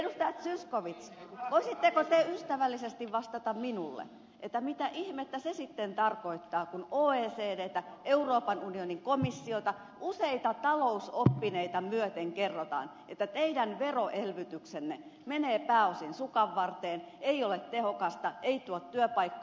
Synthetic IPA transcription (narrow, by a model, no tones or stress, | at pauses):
edust̪ɑjɑt̪syskoʋit̪sʋoisit̪ːekot̪eyst̪æʋælːisest̪iʋʋɑst̪ɑt̪ɑmminulːḛ | ʔet̪ːæmit̪æʔihmet̪ːæsesit̪ːent̪ɑrkoit̪ːɑːkunoːeːseːdeːt̪æʔeuroːpɑnunioniŋkomisːiot̪ɑ | useit̪ɑt̪ɑlousopːineit̪ɑmyøt̪eŋkerːot̪ɑ̰ːn | ʔet̪ːæt̪eidænʋeroʔelʋyt̪yksenːe | meneːpæːosinsukɑʋːɑrt̪eːn | eiolet̪t̪ehokɑst̪ɑeit̪uot̪tyøpɑikːɑ